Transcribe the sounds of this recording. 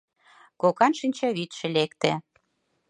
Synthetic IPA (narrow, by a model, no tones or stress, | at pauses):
kokɑnʃinʲt͡ɕɑβit̪ʃĕlekt̪ḛ̆